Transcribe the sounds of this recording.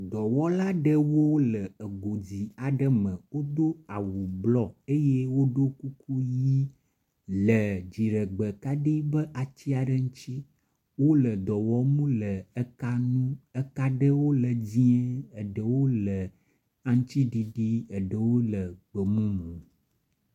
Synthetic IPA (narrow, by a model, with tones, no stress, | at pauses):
d̪ɔ˨wɔ˦la˦ɖə˦wo˦lə˨ə˨ɡo˨d͡ʑi˨a˨ɖə˦mə̃˨wo˦d̪o˦a˨wu˨blɔ˦e˦je˦wo˦ɖo˦ku˦ku˦ji˦ | lə˨d͡ʑi˨ɖə˨ɡ͡bə˨ka˦ɖi˦bə˦ʔa˨t͡ʃi˦a˨ɖə˦ŋũ˦t͡ʃi˦ | wo˦lə˨d̪ɔ˨wɔ˨mũ˦lə˨ə˦ka˦nũ˦ə˦ka˦ɖə˦wo˦lə˨d͡ʑĩ˦ɛ˦ə˨ɖə˨wo˦lə˨ | a˨ŋ̩˦t͡ʃi˦ɖi˨ɖi˦ə˨ɖə˨wo˦lə˨ɡ͡bə˨mũ˦mũ˨